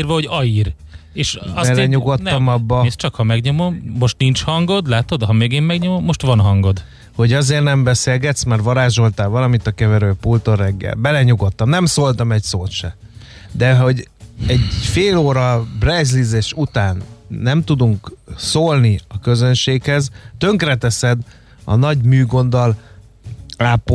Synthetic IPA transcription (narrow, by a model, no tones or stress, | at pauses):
irʋɒho̞ɟɒiːreːʃɒsbɛlɛɲuɡot̪ːɒmɒbːɒɛst͡ʃɒkhɒmɛɡɲo̞mo̞mːo̞ʃt̪nint͡ʃhɒŋɡo̞d̪laːt̪o̞d̪ɦɒmeːɡeːmmɛɡɲo̞mo̞mːo̞ʃt̪ʋɒnɦɒŋɡo̞d̪ | ho̞ɟɒzeːrnɛmbɛseːlɡɛt̪smarvɒɾaːʒo̞lt̪aːlvɒlɒmit̪ɒkɛvɛɾøːpult̪orɛɡːɛ̰lbɛlɛɲuɡo̞t̪ːɒmnɛmsoːlt̪ɒmɛcsoːt̪ʃɛ | d̪ɛo̞ɟɛɟfeːloːɾɒbrɛzlizeʃut̪aːnːɛmt̪ud̪uŋksoːlniɒkø̞zø̞nʃeːkhɛzt̪øŋkrɛt̪ɛsɛd̪ | ɒ̰nɒɟmyːɡo̞nd̪ɒl | aːpo